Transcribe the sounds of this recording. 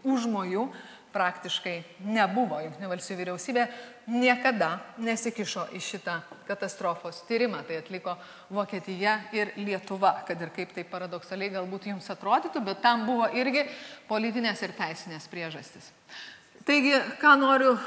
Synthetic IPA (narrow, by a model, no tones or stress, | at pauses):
ʊʒmoːjuː | pɾɑːkt̪ʲɪʃkɐɪnʲɛbʊʋoːjɪŋʲk̪ʲt̪ʲɪnʲʊʋɐlʲsʲt̪ʲiːuːʋʲiːɾʲɛʊsʲiːbʲeːnʲiɛkɐd̪ɐnʲɛsʲɪkʲɪʃoːʔɪʃʲɪt̪ɑːkɐt̪ɐst̪ɾoːfoːst̪ʲiːɾʲɪmɑːt̪ɐɪɐt̪ʲlʲɪkoː | ʋoːkʲiɛt̪ʲɪjɛɪɾlʲiɛt̪ʊʋɐkɐt̪ɪɾkɐɪpt̪ɐɪppːɐɾɐd̪oksɐlʲɛɪɡɐlˠbuːt̪jʊmsɐt̪ɾoːd̪ʲiːt̪ʊbʲɛt̪ːɐmbʊʋoːʔɪɾʲɡʲɪpoːlʲɪt̪ʲɪnʲeːsɪɾt̪ʲæɪsʲɪnʲeːspʲɾʲiɛʒɐsʲt̪ʲɪs | t̪ɐɪɡʲɪkɑːnoːɾʲʊ